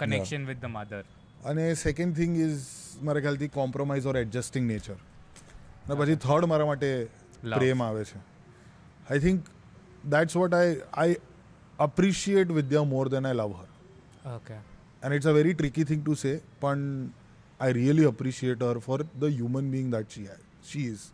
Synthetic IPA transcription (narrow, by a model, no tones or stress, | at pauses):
kənɛʃənʋɪd̪ːəmad̪əɾ | ənesɛkə̃ɳɖ̚t̪ʰɪ̃ŋɡɪzmaɾekʰɛlt̪ikɔ̃mpɾomaɪzɔɾɛɖ̚d͡ʒəsʈɪ̃ŋɡneːt͡ʃəɾ | nepət͡ʃʰit̪ʰəɾɖmaɾamaʈe | lɾemaʋet͡ʃʰe | ajt̪ʰɪ̃ŋk | d̪æʈsʋɔʈajaj | əpɾiʃieʈ̬ʋɪd̪jamoːɾd̪ɛ̃najlʌʋɦəɾ | oke | ɛ̃nɪʈsəʋɛɾiʈɾɪkit̪ʰɪ̃ŋʈusepəɳ | aɪɾiəliəpɾiʃieʈɦəɾfɔɾd̪əɦjuːmə̃nbiːɪ̃ŋd̪æʈʃiaj | ʃiz